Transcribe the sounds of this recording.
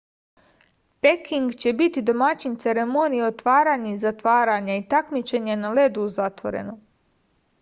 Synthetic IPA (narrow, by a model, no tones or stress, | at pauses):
pekiŋɡt͡ɕe̞bit̪id̪o̞mat͡ɕint̪se̞ɾe̞monijo̞t̪ʋaːɾaɲezat̪ʋaːɾaɲait̪akmit͡ʃe̞ɲenale̞d̪uuzat̪ʋo̞̰ɾe̞̰no